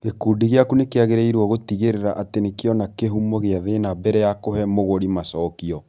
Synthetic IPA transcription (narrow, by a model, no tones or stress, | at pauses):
ekuːdiɣeakunekeaɣeɾɛiɾwɔɣotiɣeɾeɾaʔatenekeɔnakeɦumɔɣeaðenabɛɾɛjakohɛmoɣoɾimasɔːkiɔ